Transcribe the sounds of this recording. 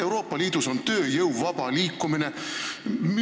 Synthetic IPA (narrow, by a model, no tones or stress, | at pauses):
ewɾo̞ːpːˑɑliːd̪̥uso̞nt̪ø̞ːjɤwvɑb̥ɑliːkːˑumine̞ | m